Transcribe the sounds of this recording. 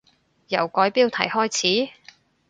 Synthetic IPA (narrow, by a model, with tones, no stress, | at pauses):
jɐ˨˩wkɔː˨˥jpiː˥wt̪ʰɐ̰˨˩jhɔː˥jt͡sʰiː˨˥